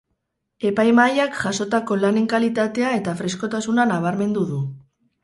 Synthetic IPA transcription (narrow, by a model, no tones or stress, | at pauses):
e̞pajmajakʝaso̞t̪ako̞laneŋkalit̪at̪e̞ae̞t̪afɾe̞sko̞t̪asunanaβ̞aɾme̞nd̪uðu